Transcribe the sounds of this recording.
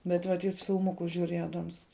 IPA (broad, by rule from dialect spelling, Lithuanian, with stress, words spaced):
bʲɛt ˈʋɐt ˈjɪs fʲɪlˠˈmʊkʊs ʒʲʊˈrʲiɛdɐms